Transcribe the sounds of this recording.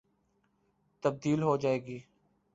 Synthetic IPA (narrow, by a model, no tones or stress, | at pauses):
t̪əb̚d̪iːlɦoːd͡ʒaːeːɡiː